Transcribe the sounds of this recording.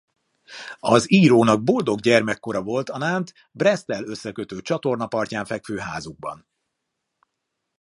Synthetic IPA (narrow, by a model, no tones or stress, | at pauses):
ɒziːɾoːnɒɡ̚bo̞ld̪o̞ɡɟɛrmɛkːo̞ɾɒvo̞lt̪ɒnaːnt̪ | brɛst̪ɛlø̞sːɛkøt̪øːt͡ʃɒt̪o̞rnɒpɒrcaːɱfɛkføːɦaːzuɡ̚bɒ̰n